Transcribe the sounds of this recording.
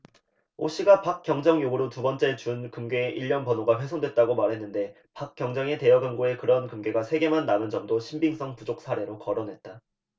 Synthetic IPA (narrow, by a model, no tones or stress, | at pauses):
oɕ͈ʰiɡapak̚k͈jʌŋd͡ʑʌŋjoɡuɾotubʌnt͡ɕ͈e̞t͡ɕunkɯmɡeʔiʎːʌnpʌnoɡaɸwe̞sʰoŋdwe̞t̚t͈aɡomaɾɦe̞nːɯnde̞ | pak̚k͈jʌŋd͡ʑʌŋe̞te̞jʌɡɯmɡoe̞kɯɾʌnkɯmɡe̞ɡasʰe̞ɡe̞manːanɯnd͡ʑʌmdoɕʰimbiŋs͈ʌŋpud͡ʑok̚sʰaɾe̞ɾokʌɾonɦe̞t̚t͈a